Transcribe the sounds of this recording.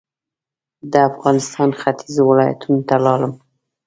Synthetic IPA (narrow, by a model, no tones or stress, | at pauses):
d̪əafɣɑnɪst̪ɑnxat̪ʰizowɪlɑja̰t̪ʰunot̪alɑləm